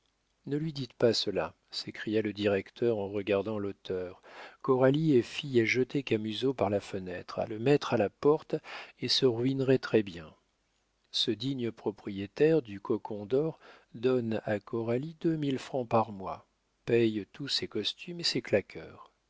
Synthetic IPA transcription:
nəlɥid̪it̪pasəla̰ | sekχijaləd̪iʁɛkt̪ʰœʁɑ̃ʁəɡaʁd̪ɑ̃lot̪ʰœʁkɔʁaliɛfijɛʒət̪ekamyzopaʁlafənɛt̪χa̰ləmɛt̪χalapɔʁt̪esəʁɥinʁɛt̪χɛbjɛ̃ | səd̪iɲəpχɔpχijet̪ɛʁd̪ykʰɔkʰɔ̃d̪ɔʁ | d̪ɔnakɔʁalid̪əmilfχɑ̃paʁmwa | pɛjt̪usekɔst̪ymeseklakʰœːʁ

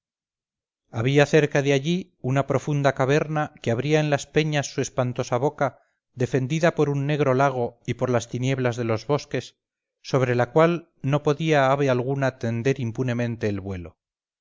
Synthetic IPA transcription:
aβiaθe̞ɾkaðeaʎi | unapɾo̞fund̪akaβ̞e̞ɾnakeaβɾiaenlaspe̞ɲasːue̞spant̪o̞saβ̞o̞ka | ðe̞fe̞nd̪iðapo̞ɾunːe̞ɣ̞ɾo̞laɣ̞o̞ipo̞ɾlast̪inje̞βlazðe̞lo̞zβo̞ske̞sː | o̞β̞ɾe̞lakwal | no̞po̞ðiaaβealɣ̞unat̪e̞nd̪e̞ɾimpune̞mẽ̞nt̪e̞ːlβwe̞lo

